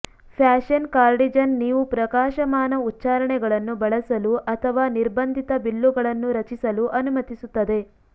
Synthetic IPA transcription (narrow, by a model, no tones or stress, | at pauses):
pʰjaːʃɐnkaːɾɖid͡ʒɐnːiːʋupɾɐkaːʃɐmaːnɐutːt͡ʃaːɾɐɳɛɡɐɭɐnːubɐɭɐsɐluʔɐt̪ʰɐʋaːniɾbɐnd̪ʱit̪ɐbilːuɡɐɭɐnːuɾɐt͡ʃisɐluʔɐnumɐt̪isut̪ːɐd̪e̞